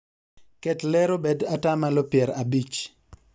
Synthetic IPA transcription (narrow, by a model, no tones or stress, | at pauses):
kɛtlɛɾobedatamalopjɛɾabit͡ʃ